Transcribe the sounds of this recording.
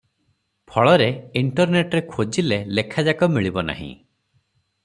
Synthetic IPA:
pʰɔɭɔɾeiɳʈɔɾneʈɾekʰod͡ʒilelekʰad͡ʒakɔmiɭibɔna̰ɦḭ̃

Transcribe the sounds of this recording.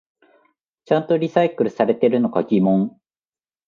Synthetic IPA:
t͡ɕãnt̪o̞ɾʲisaikɯ̟ɾɯ̟saɾe̞t̪e̞ɾɯ̟no̞kaɡʲimõ̞ŋ

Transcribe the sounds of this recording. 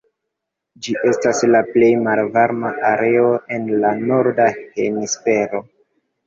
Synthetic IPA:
d͡ʒiʔe̞staslaple̞jmalvaɾmaʔaɾe̞o̞ʔe̞nlano̞ɾdahe̞̰nisfe̞ɾo̞

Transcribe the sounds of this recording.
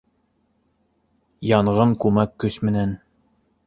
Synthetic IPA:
jɑɴʁɤɴkʉmækːɵsmɘ̆næn

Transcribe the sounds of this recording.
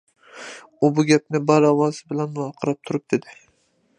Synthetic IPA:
ʊbʊɡʲap̚nɪbaɾɒvɒzɪbɪlanɒqʰɨɾap̚t̪ʰʊɾɪp̚d̪̥ed̪ɪ

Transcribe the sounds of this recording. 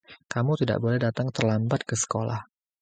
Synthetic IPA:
kamut̪ida̰ʔbolɛhdat̪aŋt̪ərlambat̪̚kəsə̥kola̰h

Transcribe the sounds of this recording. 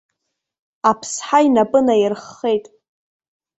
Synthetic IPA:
apʰsħainapʼɨnajɪrχːe̞jtʼ

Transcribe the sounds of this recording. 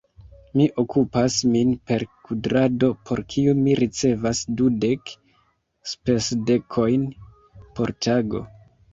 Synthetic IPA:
miʔo̞kupasminpe̞ɾkudɾado̞pʰo̞ɾkʰiumiɾit͡se̞vasdude̞k | spe̞sde̞kʰo̞jn | po̞ɾtʰaɡo̞̰

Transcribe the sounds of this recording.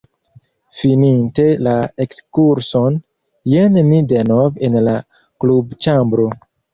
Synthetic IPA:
fininte̞laekskuɾson | jennidenovenla | klubt͡ʃambɾo

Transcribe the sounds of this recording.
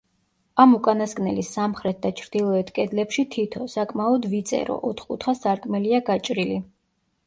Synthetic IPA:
amukʼanaskʼnɛlisamχɾɛt̪̚d̪at͡ʃʰɾd̪ilˠɔɛt̪ʰkʼɛd̪lɛpʃit̪ʰit̪ʰɔsakʼmaɔd̪vit̪sʼɛ̰ɾɔ̰ʔɔt̪ʰχkʼut̪ʰχasaɾkʼmɛliaɡat͡ʃʼɾili

